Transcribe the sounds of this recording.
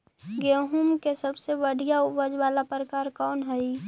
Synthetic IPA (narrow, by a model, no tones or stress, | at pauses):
ɡeɦumkesəbsebəɽ̤ijaʊʋəd͡ʒwaːlapɾəkaːɾkɔːnɦɛi